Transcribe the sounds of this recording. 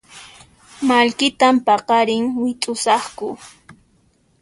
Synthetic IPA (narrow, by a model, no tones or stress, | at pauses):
malkɪt̪ampɑqɑɾɪŋwɪtʼʊsɑχkʊ